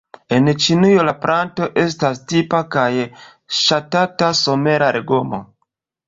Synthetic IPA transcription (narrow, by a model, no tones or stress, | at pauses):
e̞nt͡ʃinijolapɾʔanto̞ʔe̞s̬tastipakaj | ʃatataso̞me̞ɾaɾeɡo̞mo̰